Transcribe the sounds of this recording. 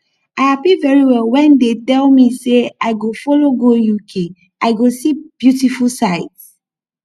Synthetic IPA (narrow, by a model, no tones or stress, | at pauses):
aɪhapivɛɹiwɛlwɛ̃ndetɛlmiseaɪɡofɔloɡojukʰe | aɪɡosib̥jutifulsaɪts